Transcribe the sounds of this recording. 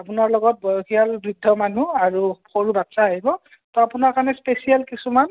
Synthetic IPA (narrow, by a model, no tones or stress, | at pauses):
apʊnaɹlɔɡɔt̚bɔjoxʰijalbɹidʱːɔmanuaɹuxoɹubatsaːɦibɔ | tɔapʊnaɹkaɹnɛspesijalkisuman